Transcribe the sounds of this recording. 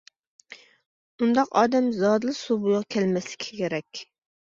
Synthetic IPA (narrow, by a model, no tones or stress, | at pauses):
und̪ɑqɑ̰ːd̪ɛmzɑːd̪lˠɨsubujʁɑkʲʰɛlmɛslɪkʲʰi̥kʲʰeɾɛkʲ